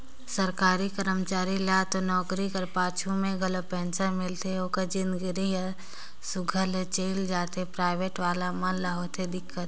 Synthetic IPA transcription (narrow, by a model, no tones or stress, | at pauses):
səɾkaːɾikəɾəmt͡ʃaːɾilat̪onɔːkɾikəɾpaːt͡ʃʰumẽɡʱəlopɛ̃ːnsəmɪlt̪ʰeoːkəd͡ʒɪnd̪ɡɾiɦ | sʊɡʱəlt͡ʃeːld͡ʒaːt̪epɾaːɪʋeːʈʋaːlamənlaɦot̪ʰed̪ɪkːət̪̚